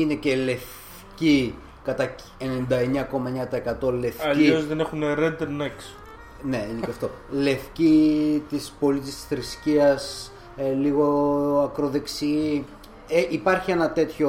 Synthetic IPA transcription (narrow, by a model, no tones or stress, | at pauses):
ine̞cele̞f | ci | kɐt̪ɐ | enend̪ɐe̞ɲɐko̞mɐeɲɐt̪ɐekɐt̪o̞le̞fɐcʎiozðenexuneɾed̪eɾneks | ne̞ineceɐft̪o̞ | le̞fcit̪ispo̞lit̪ist̪i̥sθɾisciɐs | liɣoɐkɾo̞ðe̞ksi | eʔipɐɾçie̞nɐt̪e̞t̪ço̞